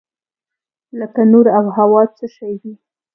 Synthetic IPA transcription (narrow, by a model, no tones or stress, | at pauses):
ləkanoɾawɦawɑt͡səʃajwi